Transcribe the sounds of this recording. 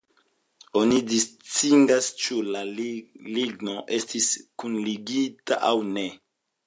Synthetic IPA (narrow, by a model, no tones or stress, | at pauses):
o̞nidist͡sindast͡ʃulaliɡno̞ʔe̞stiskunliɡita̰ʔawne̞